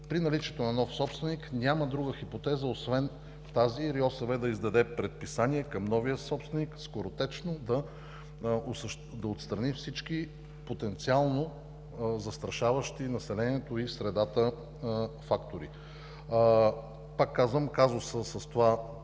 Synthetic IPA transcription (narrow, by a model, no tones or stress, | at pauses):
pɾinɐlit͡ʃiɛt̪onɐnɔfsɔpst̪vɛniknʲaməd̪ɾuɡəxipot̪ɛzəosvɛn | t̪aziɾiɔsɐvɛd̪ɐizd̪ɐd̪ɛpɾɛt̪̚pisaniɛkɐmnɔvijəsɔpst̪vɛnikskoɾot̪ɛt͡ʃnod̪ɐ | osʃ | d̪ɐot̪st̪ɾɐnifsit͡ʃki | pot̪ɛnt̪sialˠno | zɐst̪ɾɐʃavəʃt̪inɐsɛlɛniɛt̪oisɾɛd̪at̪ə | fakt̪oɾi | pakːazvəmkazosəsəst̪ova